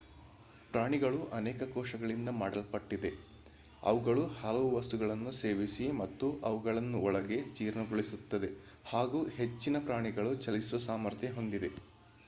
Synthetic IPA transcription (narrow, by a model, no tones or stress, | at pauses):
pɾaːɳiɡɐɭuʔɐneːkɐkɔːʂɐɡɐɭind̪ɐmaːɽɐlpɐʈːid̪e̞ | ɐ̰ʋuɡɐɭuhɐlɐʋuʋɐst̪uɡɐɭɐnːuse̞ːʋisimɐt̪ːuʔɐʋuɡɐɭɐnːuɔɭɐɡe̞t͡ʃiːɾɳɐɡoɭisut̪ːɐd̪e̞ | haːɡuːhe̞t͡ʃːinɐpɾaːɳiɡɐɭut͡ʃɐlisuʋɐsaːmɐɾt̪ʰjeɦo̞nd̪id̪e̞